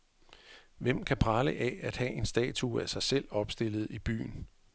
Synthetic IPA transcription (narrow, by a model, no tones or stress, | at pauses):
ʋem̰kʰæpʰʁɑ̈ːləʔææd̥hɛ̰ʔe̝nsd̥ɛ̰ːt͡sʰuæsɑ̈ɪsel̰ɒ̽b̥sd̥e̝l̰ð̞̩ˠib̥y̰ːn